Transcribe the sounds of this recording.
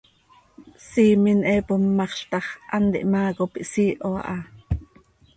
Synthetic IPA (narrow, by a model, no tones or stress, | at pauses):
siːminʔɛpumːɑχɬt̪ɑχʔɑnt̪ḭʔmɑːkopiʔsiːʔoɑ̰ʔɑ